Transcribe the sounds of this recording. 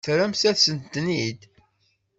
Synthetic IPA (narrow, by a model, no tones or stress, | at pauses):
θɾæmsæθsənt̪ːnid̪